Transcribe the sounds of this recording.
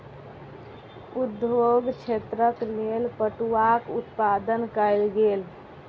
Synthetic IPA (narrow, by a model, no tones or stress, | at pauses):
ud̪joɡt͡ʃʰet̪ɾəklelpəʈuakut̪pad̪ənkəlɡel